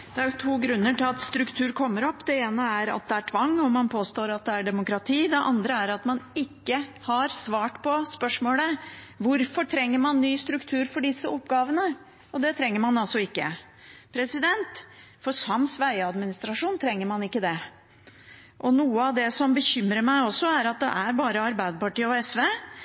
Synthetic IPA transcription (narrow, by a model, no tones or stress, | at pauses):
d̪̥ɛæɾjʊt̪ʰuːɡɾʉnːəʈɪlɑt̪st̪ɾʉkt̪ʰʉːɾkʰɔmːəɾɔpːd̪ɛeːnəæɾɑ̰t̪̚d̪ɛæʈʰʋɑŋːɔmɑnpʰoːst̪oːɾɑt̪̚d̪ɛæɖɛmʊkɾɑt̪ʰiːd̪ɛʔɑ̰nd̪ɾəæɾɑt̪mɑnɪkːəhɑɾsʋɑːʈpʰɔspœʂmoːlə | ʋʊɾfɔʈʰɾɛŋːəɾmɑnːyːst̪ɾʉkt̪ʰʉːɾfɔɖɪsːəʔɔpːɡɑːʋənə | ɔd̪ɛt̪ʰɾɛŋːəɾmɑnɑlsɔɪkːə | pʰɾɛsɪd̪ɛnt̪ | fɔʂɑmsʋæɪɑd̪mɪnɪst̪ɾɑʂuːnt̪ʰɾɛŋːəɾmɑnɪkːəd̪ɛ | ʔɔnuːəɑʋd̪ɛsɔmbəçʏmɾəmæɪɔsːɔæɾɑt̪̚d̪ɛ̰ʔæɾbɑːɾəɑɾbæɪd̪əpɑʈiːəɔɛsʋeː